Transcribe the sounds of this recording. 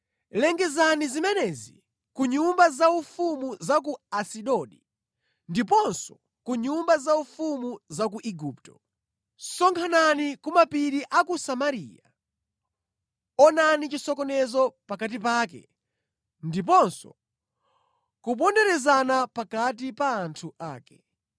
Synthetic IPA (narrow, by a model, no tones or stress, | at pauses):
lɛŋɡɛzanizimɛnɛzḭ | kuɲumbazaufumuzak̬uasiɗɔɗi | ndip̬ɔnsɔ | kuɲumbazaufumuzak̬uʔiɡuːptɔ̥ | sɔŋkʰananikumapiɾiʔakusamaɾḭːja | ɔnanit͡ʃisɔkɔnɛzɔpakat̬ipaːk̬ɛ̰ | ndip̬ɔnsɔ̰ | kup̬ɔndɛɾɛzanapakat̬ipaːntʰuʔaːkɛ̥